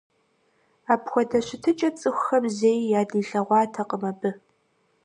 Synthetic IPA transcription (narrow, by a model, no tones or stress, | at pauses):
aːpxʷɔdɐɕɪtʰɨt͡ʃʼɐt͡sʼɨxʷxɐmzeːjjaːdiːɬɐʁʷɑːtʰɐqʼəmɐbɨ